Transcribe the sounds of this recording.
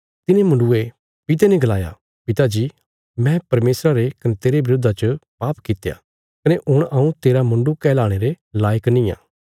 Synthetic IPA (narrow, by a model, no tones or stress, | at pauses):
t̪ɪnẽmʊ̃ɳɖue | pɪt̪̬enɛ̃ɡɐlaːja̰ | pɪt̪ad͡ʒiː | mɛ̃pɐɾmeːsɾaɾekɐnet̪eːɾebɪɾoːd̪ʱat͡ʃəpaːpkɪt̪eja̰ | kɐneʔʊɽ̃ɐũt̪eːɾamʊ̃ɳɖukɛːlaːɽ̃eɾe | laːjəknĩːjã̰ː